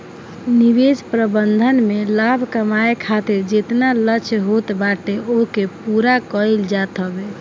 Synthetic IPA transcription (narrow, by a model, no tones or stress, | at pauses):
nibed͡ʒpɾəbənd̪ʱənmelabʱkəmaekʰat̪iɾd͡ʒet̪nalət͡ʃʰɦot̪baʈeokepuɾakəld͡ʒat̪ɦəbe